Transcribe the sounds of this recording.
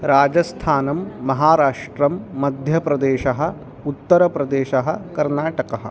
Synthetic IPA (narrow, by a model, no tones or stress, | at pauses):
ɾaːd͡ʒɐst̪ʰaːnɐmːɐɦaːɾaːʂʈɾɐmːɐd̪ʱjɐpɾɐd̪eːʃɐɦɐ̆ | ut̪ːɐɾɐpɾɐd̪eːʃɐɦɐ̆kɐɾnaːʈɐkɐɦɐ̰̆